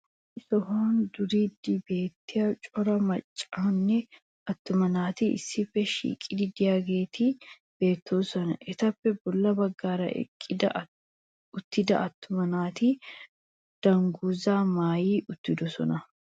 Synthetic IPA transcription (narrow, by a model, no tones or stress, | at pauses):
ɪsɔhaːnd̪ʊɾiːd̪ɪbe̞ːt̪ːɪjɐt͡ʃʼɔɾɐmɐt͡ʃʼːaːnːɛ | ɐt̪ːʊmɐnaːt̪iɪ̰sːɪfɛʃḭːkʼːɪd̪ɪd̪ɪjaɡeːt̪iː | b̥eːt̪ːuːsɔnɐʔɛt̪ɐfːɛbʊlːɐbɐɡːaːɾɐ̰ʔɛ̰kʼːɪd̪ɐ | ʊt̪ːɪd̪ɐ̰ʔɐt̪ːʊmɐnaːt̪i | d̪̥ɐŋɡuzaːmaːjiːʔʊt̪ːɪd̪ʊsɔ̰nɐ